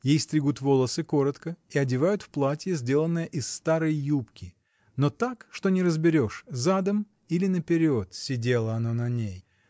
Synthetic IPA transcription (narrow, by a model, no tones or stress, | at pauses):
jejsʲt̪ɾʲɪɡut̪vo̞lˠəsɨko̞ɾət̪kəiɐdʲɪvajʊt̪fplˠatʲjəzʲdʲelˠənːɨjəʔɪsːt̪aɾəjːupkʲɪ | no̞t̪akʂt̪o̞nʲɪɾəzbʲɪɾʲo̞ʂzad̪əm | ilʲɪnəpʲɪɾʲo̞t̪sʲɪdʲe̞lˠəɐnonɐnʲej